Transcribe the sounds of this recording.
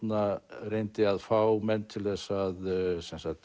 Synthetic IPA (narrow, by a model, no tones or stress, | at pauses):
narejnt̪ɪaðfawmɛnt̪ʰɪlðθɛsːaðsɛnsat̪